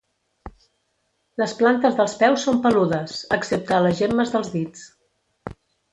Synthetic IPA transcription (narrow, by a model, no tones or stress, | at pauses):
ləsplant̪əzðəlˠspɛwsːompəluðəsə̰ksep̚t̪aləzʒeməzðəlˠzðit͡s